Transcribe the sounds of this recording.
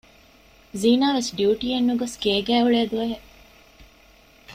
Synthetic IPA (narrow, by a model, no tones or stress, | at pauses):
ziːnaːʋesɖjuuːʈiːenːuɡoskeːɡæːuɭeɐd̪uʋɐɦe